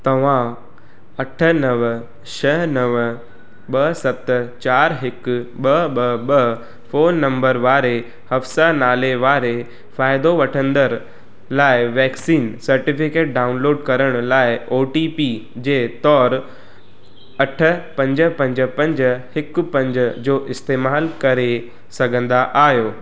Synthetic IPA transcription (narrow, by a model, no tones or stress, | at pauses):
t̪ɐʋ̤ã | ɐʈʰə̆nɐʋ | ʃɐɦnɐʋə | ɓɐsɐpt̪ət͡ɕaːɾɦɪkʊɓɐɓɐɓɐ | foːnːɐ̃mbəɾʋaːɾe | hɐfsanaːleʋaːɾe | faːɪd̪oʋɐʈʰə̃nd̪əɾ | laːɪʋɛːksiːnsɐɾʈɪfɪkeːʈ̚ɖaːʊnloːɖkɐɾəɽ̃laːɪoːʈipid͡ʑeːt̪ɔːɾ | ɐʈʰə̆pɐ̃ɲd͡ʑəpɐ̃ɲd͡ʑə̆pɐ̃ɲd͡ʑhɪkʊ̆pɐ̃ɲd͡ʑəd͡ʑoːʔɪst̪eːmaːlkɐɾe | sɐɡʱə̃nd̪aʔaːɦjoː